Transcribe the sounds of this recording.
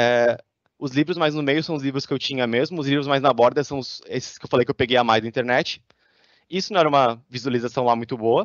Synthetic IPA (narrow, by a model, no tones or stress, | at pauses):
ɛ | ʊzlivɾʊzmajznʊmejʊsɐ̃w̃ʊzlivɾʊskɪewt͡ʃĩɲɐmezmʊʊzlivɾʊzmajznɐbɔɾd̪ɐsɐ̃w̃ʊsesɪ̥skɪewfalejkɪewpeɡejamajzd̪ɐĩnt̪eɾnɛt͡ʃɪ̥ | isʊnɐ̃w̃ɛɾɐũmɐvizualizasɐ̃w̃lamũj̃t̪ʊboɐ